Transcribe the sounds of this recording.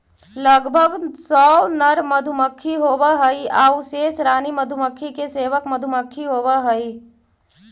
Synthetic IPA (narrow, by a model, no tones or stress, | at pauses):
ləɡbʱəɡsɔːnəɾməd̪ʱʊməkʰːiɦoːwəɦəiaːuseːsɾaːniməd̪ʱʊməkʰːikeseːʋəkməd̪ʱʊməkʰːiɦoːʋəɦəi